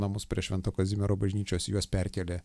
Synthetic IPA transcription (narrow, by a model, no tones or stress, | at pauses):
nɐmʊspʲɾʲiɛʃʲʋʲɛnt̪oːkɐzʲɪmʲɛɾoːbɐʒʲnʲiːt͡ʃʲoːsjuɔspʲɛɾʲkʲɛːlʲeː